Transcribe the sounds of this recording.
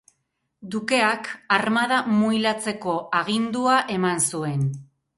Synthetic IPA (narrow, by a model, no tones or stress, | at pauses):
d̪uke̞akaɾmað̞amujlat͡se̞ko̞ʔaɣ̞ind̪uaʔe̞mansue̞n